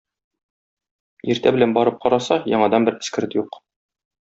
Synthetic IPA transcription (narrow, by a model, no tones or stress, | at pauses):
iɾt̪æbɘ̆lænbɒɾɤp̚qɒɾɑsɑjɒ̰ɴɑd̪ɑmbɘɾɘ̆skɘ̆ɾɘt̪juq